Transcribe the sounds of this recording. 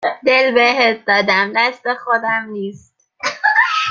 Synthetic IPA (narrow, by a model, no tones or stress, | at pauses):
d̪elbeɦet̪̚d̪ɒːd̪æmnæsd̪exod̪æmniːst̪̚